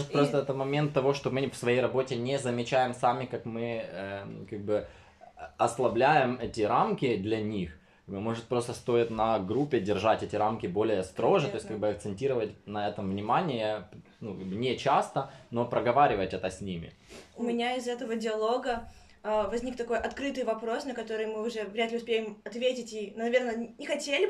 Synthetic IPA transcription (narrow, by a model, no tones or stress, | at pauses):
ʐɨt̪̚pɾost̪əɛt̪ət̪mɐmʲe̞nt̪ːɐvo̞ʂt̪o̞mɨfsvɐjejɾɐbo̞tʲɪnʲezəmʲɪt͡ɕæjɪmsamʲɪkakmɨəkaɡ̚bɨ | ɐslˠɐblʲæjɪmɛtʲɪɾamkʲɪd̪lʲɐnʲix | bɨmo̞ʐɨt̪̚pɾo̞st̪əst̪o̞ɪt̪nɐɡɾupʲːɪdʲɪrʐatʲɛtʲɪɾamkʲɪbo̞lʲɪjəst̪ɾo̞ʐɨt̪o̞ɪsʲkaɡ̚bɨɐk̚t̪sɨnʲtʲiɾəvətʲnɐɛt̪əmvnʲɪmanʲɪjə | nukaɡ̚bɨnʲet͡ɕast̪əno̞pɾəɡɐvaɾʲɪvətʲɛt̪əsʲnʲimʲɪ̰ | ʊmʲɪnʲaɪzɛt̪əvədʲɪɐlˠo̞ɡə | əvɐzʲnʲikt̪ɐko̞jʔɐt̪kɾɨt̪ɨjvɐpɾo̞snəkɐt̪o̞ɾɨjmɨʊʐɛvɾʲæt̪lʲɪʊspʲejɪmɐt̪vʲetʲɪtʲinʊnɐvʲe̞rnənʲɪxɐtʲelʲɪ